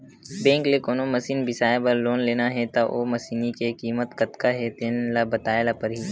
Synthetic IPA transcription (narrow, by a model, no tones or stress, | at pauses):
bẽːŋklekoːnomɐsiːnbɪsaːebɐɾloːnleːnaɦɛt̪aʔoːmɐsiːnikekiːmət̪kɐt̪kaɦɛt̪eːnlabɐt̪aːelapəɾɦiː